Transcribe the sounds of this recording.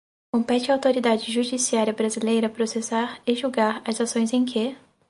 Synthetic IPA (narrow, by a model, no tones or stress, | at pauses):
kõpɛt͡ʃɐːwt̪oɾid̪ad͡ʒɪʒud͡ʒisiaɾiɐbɾazilejɾɐpɾosesaɾɪʒuɡaɾɐzasõj̃zẽj̃kʰɪ